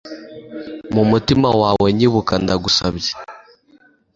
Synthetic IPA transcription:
mumutimawaweɲiβukandaɡusabje̥

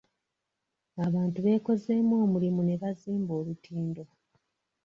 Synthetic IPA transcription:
aβaːntuβe̞ːko̞ze̞ːmwo̞ːmulimune̞βaziːmbo̞ːlutʰiːndo̞

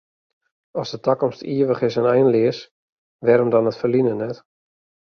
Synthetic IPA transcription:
ɔsdətakɔmstʰiəʋəχɪsənɛjnlɪəs | ʋɛɾəmdɔnətfərlinənɛt

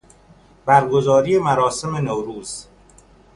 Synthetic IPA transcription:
b̥æɾɡo̞zɒːɾijemæɾɒːse̞me̞nowɾuːz̥

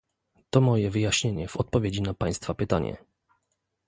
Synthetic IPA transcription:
t̪ɔmɔjɛvɘjaɕɲeɲɛv̥ɔt̪̚pɔvʲjed͡ʑinapaj̃st̪fapɘt̪aɲɛ̰

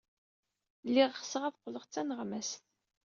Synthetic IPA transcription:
lːiʁχsəʁæfqːləʁt͡sːænəʁmæsθ

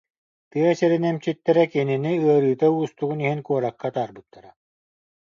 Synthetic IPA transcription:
t̪ɯɐsɛɾinɛmt͡ɕit̪ːɛɾɛkininiɯɐɾɯːt̪auːst̪uɣuniɦinkuɔɾakːat̪aːɾbɯt̪ːaɾa

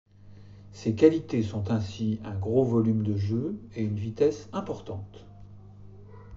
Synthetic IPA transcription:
sekʲalit̪esɔ̃t̪ɛ̃siɛ̃ɡʁovɔlymd̪əʒøeynvit̪ɛsɛ̃pɔʁt̪ɑ̃t̪

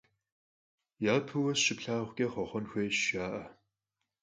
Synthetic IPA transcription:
jaːpʰɨwɐsʃɪpɬaːʁʷkʲʼɐχʷɔχʷɔnxʷeːʃaːʔɐ

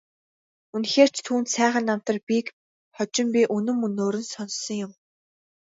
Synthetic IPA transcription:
unxeːr̥t͡ɕʰt̪ʰuːnt̪sæːʁə̆nːam̥t̪ə̆rpʲik | χɔt͡ɕɪ̆mpʲiʔɵnɵ̆mɵnːoːɾɵ̆nsɔnsɞ̆ŋjʊm

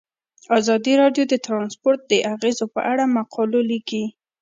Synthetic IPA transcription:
azɑd̪iɾɑɖjod̪ət̪ɾɑnspoɾt̪̚d̪əʔaɣezopə̰ʔaɽamaqʰɑloliki

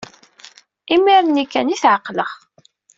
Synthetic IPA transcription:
imiɾˤnikːæniθʕəqːləχ

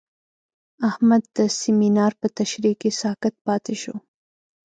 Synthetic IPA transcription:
ahmad̪ːəsɪminɑɾpət̪aʃɾikisɑkat̪̚pɑt̪eʃo̰

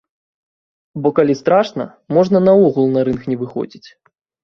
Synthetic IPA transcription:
bɔkalʲist̪ɾaʂnɐ̰ | mɔʐnɐnɐɔɣulˠnɐɾɨnxnʲɛvɨxɔ̰d͡zʲit͡sʲ

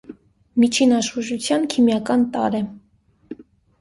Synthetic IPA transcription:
mit͡ʃʰinɑʃχuʒut͡sʰjɑnkʰimjɑkɑnt̪ɑ̰ɾɛ

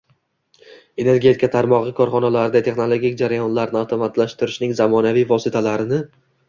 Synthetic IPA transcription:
e̞ne̞ɾɡʲe̞t̪ʰɪkʰat̪ʰaɾmɒʁɨkʰɒɾχɒnalaɾɪd̪at̪ʰe̞χno̞lˠo̞ɡʲik̚ʲd͡ʒaɾajɒnlaɾnɪawt̪ʰomat̪laʃt̪ʰɪɾɪʃnɪŋzamɒnavijvɒsɪt̪ʰalaɾɪnɪ

